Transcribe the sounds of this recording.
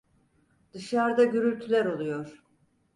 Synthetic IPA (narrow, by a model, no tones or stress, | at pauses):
d̪̥ɯʃaɾd̪aɟøɾylʲt̪ʰylʲæɾo̞lˠujo̞ɾ̥